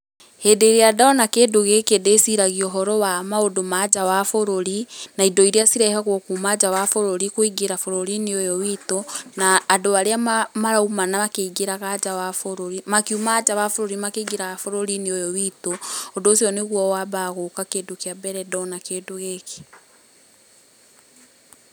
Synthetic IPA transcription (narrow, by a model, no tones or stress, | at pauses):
hedeɾeadaɔnakeːdoɣekedesiɾaɣiɔɦɔɾɔwamaodomad͡ʒawafoɾoɾinaidɔiɾeasiɾɛhɛɣɔkumad͡ʒawafoɾoɾikoiɡeɾafoɾoɾineojɔwitonaːdowaɾeamamaɾaumanamakeɡeɾaɣad͡ʒawafoɾoɾimakiumaːd͡ʒawafoɾoɾimakeiɡeɾaɣafoɾoɾineojɔwitoːdoːsiɔneɣwɔwabaɣokakeːdokeabɛɾɛdɔnakeːdoɣeke̥